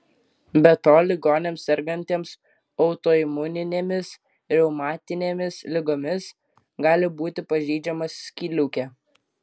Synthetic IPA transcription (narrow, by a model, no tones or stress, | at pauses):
bʲɛt̪oːlʲɪɡoːnʲeːmsɛɾɡɐnʲt̪ʲeːms | ɔʊt̪oːɪmʊnʲɪnʲeːmʲɪs | ɾʲɛʊmɑːt̪ʲɪnʲeːmʲɪslʲɪɡoːmʲɪs | ɡɑːlʲɪbuːt̪ʲɪpɐʒʲɛɪd͡ʒʲɛmɐsːʲkʲiːlʲʊːkʲɛː